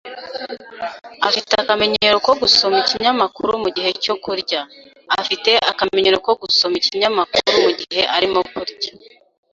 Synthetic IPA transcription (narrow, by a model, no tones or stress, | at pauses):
afiteakame̞ɲe̞ɾo̞ko̞ɡuso̞miciɲamakuɾumuɟihe̞co̞kuɾɟaː | fite̞ʔakame̞ɲe̞ɾo̞ko̞ɡuso̞miciɲamakuɾumuɟihe̞ʔaɾimokuɾɟḁ